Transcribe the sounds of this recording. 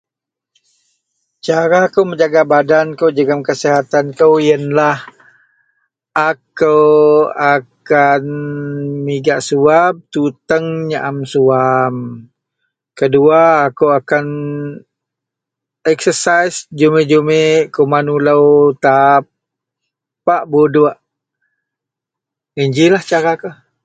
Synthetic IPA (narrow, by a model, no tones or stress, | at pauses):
t͡ʃaɾakəwməɲd͡ʒaɡabadankəwd͡ʒəɡamkəsiɦat̪ankəwjənlah | ʔakəwakan | miɡaʔsuab̚t̪ut̪əŋɲaʔamsuam | kəduaːkəwakan | ɛksəsajsd͡ʒumed͡ʒumekəwmanuləwt̪ap̚ | paʔbodʊʔ | iɲd͡ʒilaht͡ʃaɾakəw